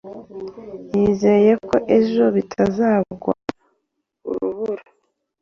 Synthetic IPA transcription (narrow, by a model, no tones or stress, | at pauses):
jiːze̞ɾeje̞ko̞ʔeʒo̞βitʰazaːβɡwa̰ | ṵɾuβuɾa